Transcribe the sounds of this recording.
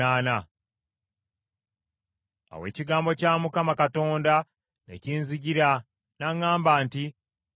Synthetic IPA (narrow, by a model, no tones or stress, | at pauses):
aːna | a̰we̞̰ːciɡaːmbo̞caːmukamakato̞ːnda | ne̞̰ciːnziɟiɾa | naŋːaːmbaːnti